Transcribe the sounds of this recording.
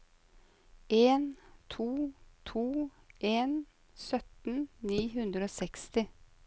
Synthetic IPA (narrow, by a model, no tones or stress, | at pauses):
ʔeːnt̪ʰuːt̪ʰuː | ʔeːn | sœt̪n̩niːɦʉnd̪ɾəoːsɛkst̪ɪ